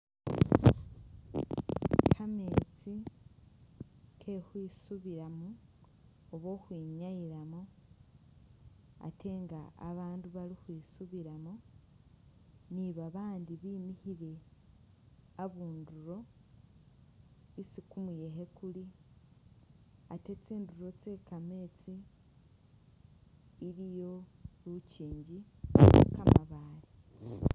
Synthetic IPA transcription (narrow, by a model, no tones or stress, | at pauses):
kʰame̞ːt͡si | kʰe̞hwiːsuβiɾamuː | βo̞ːhwiːɲajiɾamo | a̰tʰe̞ŋɡa̰ːβaːnduβaɾihwiːsuβiɾamo | niβaβaːndiβiːmihiɾe̞ | aβuːnduɾo̞ | sikumuje̞ɦe̞kuli | a̰te̞t͡siːnduɾo̞t͡se̞ːkame̞ːt͡si | ɾijo̞ɾuciːɲɟi | kamaβaːɾi